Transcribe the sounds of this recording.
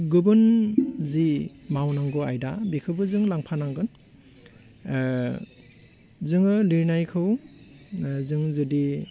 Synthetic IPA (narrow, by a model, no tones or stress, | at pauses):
ɡɯbɯnzimawnaŋɡɯajdabikʰɯbɯzɯŋlaŋpʰanaŋɡɯn | zɯŋɯliɾnajkʰɯw | zɯŋzɯdi